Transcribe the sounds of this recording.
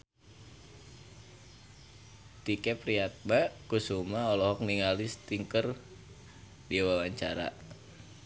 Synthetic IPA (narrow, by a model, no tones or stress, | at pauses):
t̪ikɛpɾiat̪̚makusumaɔlɔɦɔk̚niŋalist̪iŋkər | diawawaɲt͡ʃaɾa̰ʔ